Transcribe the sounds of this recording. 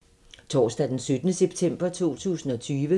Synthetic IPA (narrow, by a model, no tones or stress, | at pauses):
t͡sʰɒ̰ːsd̥æd̥ensød̥ənəseb̥̚t͡sʰem̰b̥ɐt͡sʰo̝̰ːt͡sʰṵːsn̩ɒ̽t͡sʰyːʋə